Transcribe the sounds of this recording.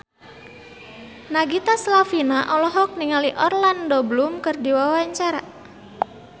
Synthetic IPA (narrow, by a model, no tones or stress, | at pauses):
naɡit̪aslafinaʔɔlɔɦɔk̚niŋaliʔɔrlandɔblumkɨrdiwawaɲt͡ʃaɾa